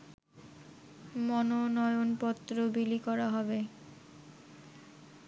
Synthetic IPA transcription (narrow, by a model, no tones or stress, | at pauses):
mɔnonɔjonpɔt̪ːɾobilikɔɾaɦɔbe